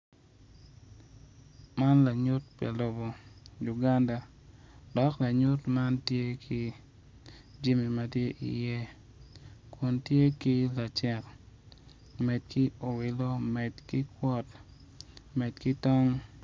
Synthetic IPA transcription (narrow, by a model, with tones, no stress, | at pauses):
ma˦nla˨ɲʊ˦t̚pa̰˨lo˨bo˨ju˨ɡa˦nda˨ | d̥ɔ˨˦kla˨ɲu˦tma˦ntje˦kʰi˦ | d͡ʒi˦mi˨ma˦tje˦ʔḭ˨je˦ | ku˨ntje˦ki˦la˨t͡ʃɛ˦k | mɛ˨t̚kɪ˦o˨wɪ˨lo˦mɛ˨tkɪ˦kwɔ˦t | mɛ˨tkɪ˦tɔ˦ŋ